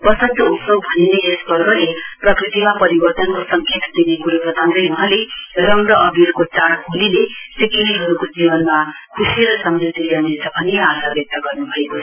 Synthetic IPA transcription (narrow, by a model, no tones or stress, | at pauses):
pʌsʌnt̪ʌupsobʱʌnineːsbʌrɡʌleprʌkrit̪imapʌɾibʌrt̪ʌnkosʌŋket̪d̪inekuɾusʌt̪ʰãnd̪ʌjuɦãlerʌmɾʌʔʌbʱirkot͡saɽɦulilesikiliɦʌɾukod͡zibʌnma | kʰusieɾʌsʌmɾit̪iljanit͡sʰʌbʱʌniasabjʌk̚t̪ʌɡʌrnubʱʌekoʌ